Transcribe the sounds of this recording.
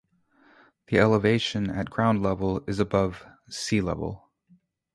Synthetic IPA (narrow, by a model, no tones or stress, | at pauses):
ðiɛlˠəveɪʃɨ̃nɨ̰t̚ɡ̥ɹãʊ̃ndˡlɛvl̩ˠɨzɨbʌv̥ | silɛ̰v̰l̩ˠ